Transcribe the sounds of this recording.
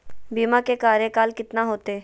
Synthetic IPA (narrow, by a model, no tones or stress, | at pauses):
biːmãkekaːɾekaːlkɪt̪naɦoːt̪eː